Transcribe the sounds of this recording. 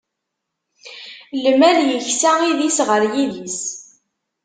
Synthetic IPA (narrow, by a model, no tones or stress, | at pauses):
lmæljəçsæiðisʁəɾjiðis